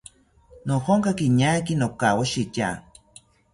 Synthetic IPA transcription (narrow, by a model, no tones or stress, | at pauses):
nohoŋkakiɲakinokawaʃit͡ʃa̰